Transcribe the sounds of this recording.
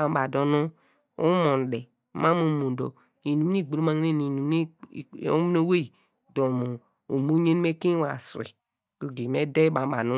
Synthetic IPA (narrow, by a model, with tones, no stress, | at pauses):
a˨m˦ba˨do˨nu˦ | ṵ˦mo˨n˨de˨ | ma˦mu˨mu˨do̰˨ | i˨nu˨m˦ni˦˨ɡ͡bu˨lo˦ma˨ŋ˦ne˦˨i˨nu˨˦i˦˨o˦m˦no˦we˦i˨ | do˨mu˨ | u˨mu˦ɲe˦n˦me˦ki˦wa˨sḭ˨ | ku˨ɡi˨me˦de˦ba˨m˦ba˨nu˦